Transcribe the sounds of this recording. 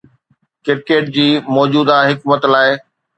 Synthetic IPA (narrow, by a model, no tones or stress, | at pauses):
kɪɾkeːʈ̚d͡ʑiːmɔːd͡ʑuːd̪aɦɪkmət̪laːɪ